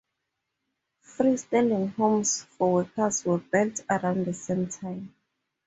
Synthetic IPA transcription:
θɹistɛlĩŋhõmsfɔwɛkʰəswɛbɛltaɹãʊ̃nðəsẽmtʰãj̃m

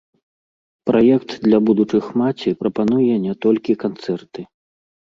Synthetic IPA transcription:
pɾajɛkt̪d̪lʲɐbud̪ut͡ʂɨxmat͡sʲipɾɐpanujɛnʲɛt̪ɔlʲkʲikant̪sɛrt̪ɨ

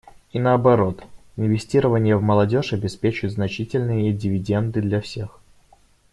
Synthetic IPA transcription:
inəɐbɐɾo̞t̪ɪnvʲɪsʲtʲiɾəvənʲɪjəvməlˠɐdʲo̞ʂɐbʲɪspʲet͡ɕʊjt̪znɐt͡ɕitʲɪlʲnɨjədʲɪvʲɪdʲe̞nd̪ɨd̪lʲɐfsʲe̞x

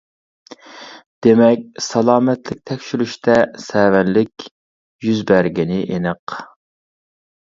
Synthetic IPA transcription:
d̪̥emɛkʲsɑlˠɑːmɛt̪lɪk̚ʲt̪ʰɛkʲʃylyʃt̪ʰɛsɛwɛnlɪkʲ | jyzbæɾɡʲinɪʔenɨq

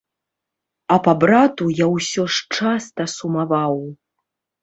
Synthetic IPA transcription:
ɐpabɾat̪ujawsʲɔʂt͡ʂast̪ɐsumavaw

